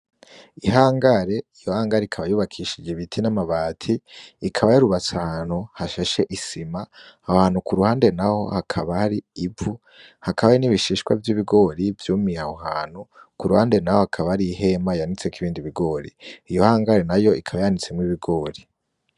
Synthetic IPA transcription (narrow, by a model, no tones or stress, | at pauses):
iɦaːŋɡaɾe̞ijo̞haːŋɡaɾeikʰaβajuːβakʰiːʃid͡ʒeβitʰinamaβaːtʰiːkʰaβajiɾuβat͡sahan̥hohaʃeʃe̞ʔisimaahohaːnukuɾuhaːnde̞naho̞̰hakʰaβahaɾiːu | hakʰaβainiβiʃiʃkwa̰vjiβiɡo̞ːɾivjuːmiahohaːn̥hu | kuɾuhaːnde̞nahohakʰaβaaɾiɦe̞maijanit͡sekiβiːndiβiɡo̞ːɾḭijo̞haːŋɡaɾe̞najo̞ikʰaβajanit͡se̞mwiːβiɡo̞ːɾi